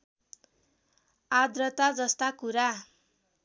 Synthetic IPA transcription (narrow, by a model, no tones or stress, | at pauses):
ad̪rʌt̪ad͡zʌst̪akuɾa